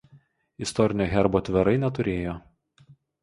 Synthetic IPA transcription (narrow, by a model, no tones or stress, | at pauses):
ɪst̪ɔɾʲɪnʲoːɣʲɛɾboːt̪ʲʋʲɛɾɐɪnʲɛt̪ʊɾʲeːjoː